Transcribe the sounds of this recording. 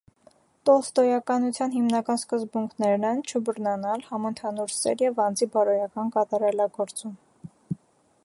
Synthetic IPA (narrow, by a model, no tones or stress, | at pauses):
t̪ɔst̪ɔjɑkɑnut͡sʰjɑnɦimnɑkɑnskəzbuŋkʰnɛɾnɛnt͡ʃʰəbəɾnɑnɑlhɑmənt̪ʰɑnuɾsɛ̰ɾjɛvɑnd͡zibɑɾɔjɑkɑnkɑt̪ɑɾɑlɑɡɔɾt͡sum